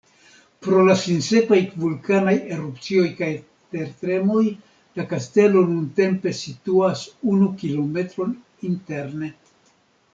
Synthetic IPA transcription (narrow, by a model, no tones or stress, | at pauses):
pɾo̞lasinse̞kajvulkanajeɾupt͡sio̞jkaj | pe̞ɾtɾe̞mo̞j | lakaste̞lo̞nunte̞mpe̞situasunukilo̞me̞tɾo̞n | inte̞ɾne̞